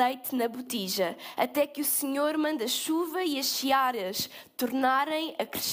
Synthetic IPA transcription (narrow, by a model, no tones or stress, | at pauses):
ɐjt̪nɐβut̪iʒɐɐt̪ɛkusɨɲoɾmɐ̃nd̪ɐʃuvɐiɐʃʃiaɾɐʃt̪uɾnaɾɐ̃j̃ɐkɾɨ̥ʃ